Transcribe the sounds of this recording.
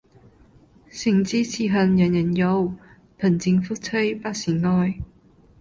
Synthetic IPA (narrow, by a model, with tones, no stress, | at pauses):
sɪ˨˩ŋt͡siː˥t͡sʰiː˧ɦɐ˨njɐ˨˩njɐ˨˩njo˨˧w | pʰɐ˨˩nt͡sɪ˨˧ŋfu˥t̚t͡sʰə˥jpaː˥siː˨˩ŋŋɔː˧j